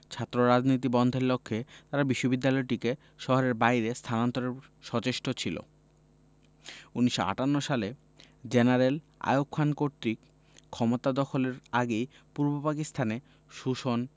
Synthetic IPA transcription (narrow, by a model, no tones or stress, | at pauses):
t͡ɕʰat̪ːɾoɾad͡ʑnit̪̬ibɔnd̪ʱeɾlokʰːet̪aɾabiʃːobid̪ːalɔeʈike | ʃɔɦoɾeɾbajɾest̪ʰanant̪oɾeɾʃɔt͡ɕeʃʈot͡ɕʰilo̰ | uniʃːo̰a̰ʈanːoʃale | d͡ʑenaɾel | a̰jokʰːankoɾt̪ɾi | kʰɔmot̪ad̪ɔkʰoleɾaɡej | puɾbopakist̪ʰane | ʃuʃon